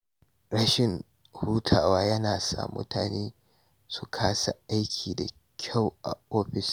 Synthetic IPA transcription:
ɾɐ˦ʃɪ˨ŋ | huː˦tʰaː˨waː˦jɐ˦naː˨sa̰ː˦mːʊ̰˦tʰa̰ː˨neː˦ | su˨kʰaː˦sa˨ʔa˦jkʲʰiː˨da˨ | kʲʰa˦˨wʔa˨ʔoː˦ɸɪ˨s

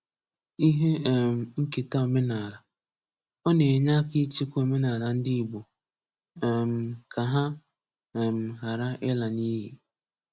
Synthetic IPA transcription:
i˦ɦe˦˨m̩˨ŋ̩˦ke˨ta˦o˨me˦na˨ɾa˨ | ɔ˦ne˨ɲa˦kɪ˦t͡ʃi˦kʷo˨me˦na˨la˨n̩˦dɪ˦i˨ɡ͡bo˨ | m̩˦˨kʰa˨ɦa˦˨ | m̩˨ɦa˨ɾa˦ʔɪ˦la˨ni˦ɦe˨

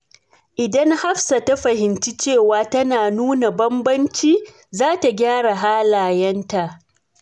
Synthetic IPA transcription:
ʔɪ˨dɐ˦ŋha˦ɸsa˨ta˦ɸɐ˨hɪ˨nt͡ʃi˦t͡ʃeː˦˨waː˨˦tɐ˦naː˨nuː˦na˨bɐ˦mbɐ˦nt͡ʃiː˦ | zaː˦ta˨ɡʲaː˦ɽa˨ɦaː˦laː˨jɐ˦nta˨ʔ

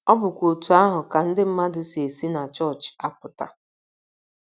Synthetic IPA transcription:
ɔ˦bʊ˨kʷo˨tu˨a˦ɦʊ˨ka˨n̩˦dɪ˦m̩˦ma˦dʊ˨se˨si˦na˨t͡ʃɔ˦˨t͡ʃa˦p̚ʊ˨ta̰˨

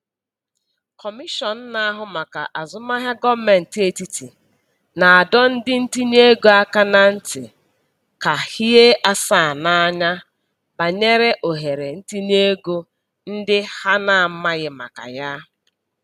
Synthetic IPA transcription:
kɔ˨mi˦ʃɔ˨n̩˦na˦a˦ɦʊ˨ma˨ka̰˨ʔa˨zʊ˨ma˦ɦja˦ɡɔ˦bme˨n̩˨te˨ti˨ti˨ | na˨a˨dɔ˦n̩˦dɪ˦n̩˦ti˦n˦e˦ɡo˦a˦ka˦na˨n̩˦tɪ̰˨ | ka˨hi˦ɦe˦ʔa˦sa˦˨na˦a˦ɲa˦ | ba˨ɲe˦ɾe˦ʔo˨ɦe˨ɾe˨n̩˦ti˦n˦e˦ɡo˦ | n̩˦dɪ˦ha˦na˨m̩˦ma˦ɣɪ˨ma̰˨ka̰˨ja˦

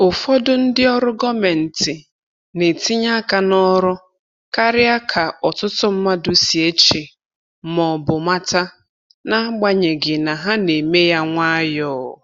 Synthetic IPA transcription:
ʊ˨fɔ˦dʊ˦n̩˦dɪ˦ɔ˦ɾʊ˦ɡɔ˦me˨n̩˨tɪ˨ | ne˨ti˦ɲa˦ka˨nɔ˦ɾʊ˦ | ka˦ɾɪ˦a˦kʰa˨ɔ˨tʊ˦tʊ˦m̩˦ma˦dʊ˨si˨e˦t͡ʃe˨ | mɔ˨bʊ˨ma˦ta˦ | na˦ɡ͡ba˦ɲe˨ɡɪ˨na˨ɦa˦ne˨me˦ja˦ŋʷa˦jɔː˦˨ʊ̰˨

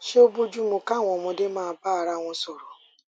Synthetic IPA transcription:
ʃe˦o˦bo˦d͡ʒu˦mũ˨ka˦˨ŋʷɔ̃˨mʊ̃˨de˦mãː˦a˨ba˦˨ɾa˦ŋʷɔ̃˦so˨ɾo˨

